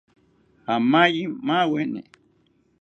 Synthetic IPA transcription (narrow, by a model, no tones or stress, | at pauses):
hamãjimãwenḛ̃